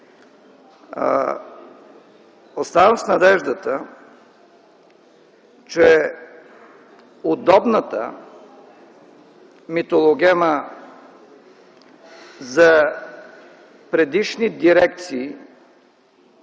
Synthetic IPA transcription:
ost̪avəmsnɐd̪ɛʒd̪ət̪ə | t͡ʃɛ | ʊd̪ɔbnət̪ə̰ | mit̪olˠoɡɛmə | zɐ | pɾɛd̪iʃnid̪iɾɛkt̪siː

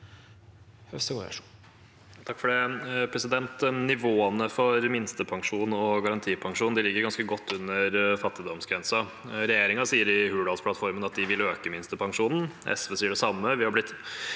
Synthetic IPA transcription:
hœsəɡɔ̰ʂ | t̪ʰɑkːfɔɖɛpʰɾɛsɪd̪ɛnt̪nɪʋoːənəfɔɾmɪnst̪əpʰɑŋʂuːnɔɡɑɾɑnt̪ʰiːpʰɑŋʂuːnnd̪ɪlɪɡːəɾɡɑnskəɡɔt̪ʰːʉnːəɾfɑt̪ːɪd̪ɔmsɡɾɛnsɑ | ɾɛjeːɾɪŋɑsiːəɾɪhʉːɖɑlspʰlɑt̪fɔɾmənɑt̪̚d̪ɪʋɪløːkəmɪnst̪əpʰɑŋʂuːnn̩ʔɛ̰sʋəsiːəɖɛsɑmːəʋɪhɑɾblɪt̪ː

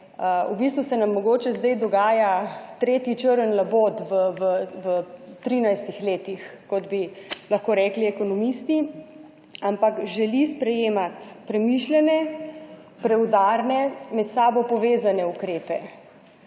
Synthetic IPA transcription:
əubist̪ʋusɛnamːɔɡoːt͡ʃɛzd̪ɛjd̪ɔɡaːjat̪ɾeːt̪jit͡ʃəɾənlaboːt̪ʋəʋəʋət̪ɾiːnajst̪ixleːt̪ixkɔd̪bilɐxkoːɾɛkliɛkɔnɔmist̪i | ampakʒɛlispɾɛjeːmat̪pɾɛmiʃlɛnɛ | pɾɛwd̪aɾnɛmɛt̪saːbɔpɔʋeːzanɛukɾeːpɛ

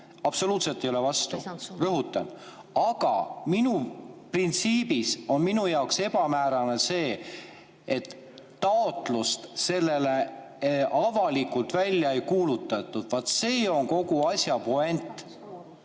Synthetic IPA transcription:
ɑb̥so̞luːt̪se̞lt̪ejolevɑst̪ṵrɤɦut̪ːˑɑ̰n | ɑɡɑ̰minuprint̪siːb̥iso̞nminujɑokse̞b̥ɑmæːɾɑnese̞ː | et̪ː | ɑot̪ˑlust̪se̞lːe̞le̞ | ʔɑvɑlikːult̪vælʲjɑejkuːlut̪ːˑɑt̪ːˑud̪̥vɑt̪se̞ːo̞ŋko̞ɡuɑsʲjɑpoe̞nt̪ˑ

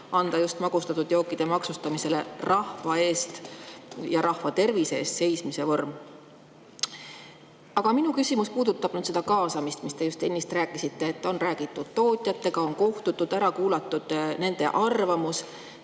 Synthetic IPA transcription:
ɑnd̪̥ɑjust̪mɑɡ̥ust̪ɑt̪ːˑud̪̥jo̞ːkːˑid̪̥e̞mɑksust̪ɑmise̞le̞̰rɑhvɑe̞ːst̪ | jɑɾʔɑhvɑt̪e̞rvise̞ːst̪se̞jsmise̞vo̞rm | ɑɡ̥ɑminukysʲimuspuːd̪̥ut̪ːˑɑb̥nyd̪se̞d̪ɑkɑːsɑmist̪mist̪e̞just̪enʲːist̪ræːkːˑisit̪ːe̞ːt̪ːˑo̞nræːɡ̥it̪ːˑud̪̥̚t̪o̞ːt̪ʲˑjɑt̪ːˑe̞ɡ̥ɑo̞nkoht̪ut̪ːˑud̪̥æɾɑkuːlɑt̪ːˑud̪̥ne̞nd̪̥e̞̰ʔɑrvɑmus

